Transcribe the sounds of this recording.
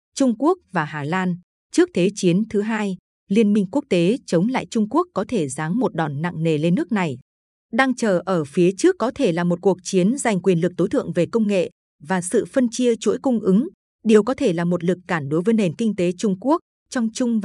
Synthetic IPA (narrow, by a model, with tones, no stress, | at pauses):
t͡ɕʊ˧ŋ͡mku˦˥ək̚vaː˨˩haː˨˩laː˧n | t͡ɕɨ˦˥ək̚t̪ʰe˨˦t͡ɕi˨˦ənt̪ʰɨ˨˦ɦaː˧j | li˧ənmï˧ŋ̟ku˦˥ək̚t̪e˨˦t͡ɕə˨˦wŋ͡mla̰ː˧˨jt͡ɕʊ˧ŋ͡mku˦˥əkːɔ˨˦t̪ʰe˧˩zaː˨˦ŋmo˨˩t̚ɗɔ˨˩nːa̰˧˨ŋne˨˩le˧nːɨ˦˥ək̚na˨˩j | ɗaː˧ŋt͡ɕəː˨˩ʔəː˧˩fi˨˦ət͡ɕɨ˦˥əkːɔ˨˦t̪ʰe˧˩laː˨˩mo˨˩t̚ku˨˩ək̚t͡ɕi˨˦ənza˨˩jŋ̟kwi˨˩ənlɨ˨˩k̚t̪o˨˦jt̪ʰɨ̰˧˨əŋve˨˩kə˧wŋ͡mŋḛ˧˨ | vaː˨˩sɨ̰˧˨fə˧nt͡ɕi˧ət͡ɕṵ˧˥jkʊ˧ŋ͡mʔɨ˨˦ŋ | ɗe˨˩əwkɔ˨˦t̪ʰe˧˩laː˨˩mo˨˩t̚lɨ˨˩kːaː˧˩nɗo˨˦jvəː˨˦jne˨˩nkï˧ŋ̟t̪e˨˦t͡ɕʊ˧ŋ͡mku˦˥ək̚ | t͡ɕɔ˧wŋ͡mt͡ɕʊ˧ŋ͡mv